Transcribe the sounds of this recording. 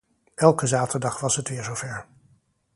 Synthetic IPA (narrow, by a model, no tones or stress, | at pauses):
ɛlˠkəzaːtəɹdɑχʋɑsɦətʋɪːɹzowvɛɹ